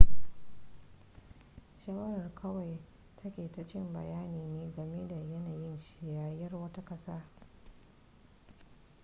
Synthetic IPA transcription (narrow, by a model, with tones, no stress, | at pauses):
ʃaː˦wɐ˦ɾɐ˨rkʰɐ˦wa˨j | tʰɐ˦kʲeː˨ta˨t͡ʃɪ˦mbɐ̰˨jaː˦niː˨neː˦ɡɐ˨me˦da˨jɐ˦naː˨jɪ˦nʃɪ˨jaː˨jɐ˦rwɐ˦ta˦kɐ˦saː˦